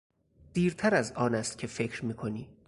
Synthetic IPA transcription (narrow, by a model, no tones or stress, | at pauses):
d̪̥iːɾt̪ʰæɾæzɒːnæst̪̚cʲʰe̞fe̞cʰɾmiːkʰo̞niː